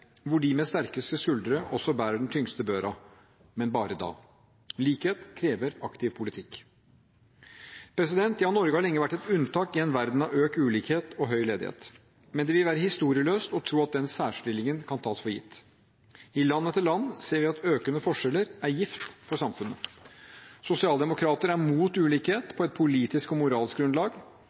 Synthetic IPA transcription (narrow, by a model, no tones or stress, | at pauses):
ʋʊɖɪmɛst̪æɾkəst̪əsʉld̪əɾəʔɔsːɔbæːɾəɖɛn̩t̪ʰʏŋst̪əbøːɾɑ | mɛnbɑːɾəd̪ɑ̰ː | liːkheːt̪kʰɾeːʋəɾɑkt̪ɪʋpʰʊlɪt̪ʰɪkː | pʰɾɛsɪd̪ɛnt̪jɑhɑnɔɾɡəhɑɭɛŋːəʋæʈːɛt̪ʉnt̪ɑːkɪɛnʋæɾd̪n̩ɑʋøːkʉːliːkheːt̪ɔɦœʏleːd̪ɪhḛːt̪ | mɛnd̪ɛʋɪlʋæːɾəhɪst̪uːɾɪəløːst̪ɔt̪ʰɾuːɑt̪̚d̪ɛnsæːʂʈɪlɪŋənkʰɑnt̪ʰɑːsfɔɾjɪ̰t̪ː | ɪlɑnːət̪ʰɪlɑnːseːɾʋɪɑt̪øːkənəfɔʂɛlːəɾæɾjɪft̪fɔɾsɑmfʉnə | sʊsɪɑːld̪ɛmʊkʰɾɑːt̪əɾæɾmuːt̪ʉːliːkheːt̪pʰɔɛt̪̚pʰʊliːt̪ɪskɔmʊɾɑːlsk̚ɡ̪ɾʉnlɑːɡ